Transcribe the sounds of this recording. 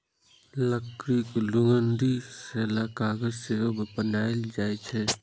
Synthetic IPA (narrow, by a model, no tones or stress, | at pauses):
ləkɾiklʊŋənd̪iseːlakaːɡəzseəbpənaːɪld͡ʒaːet͡ʃʰɛ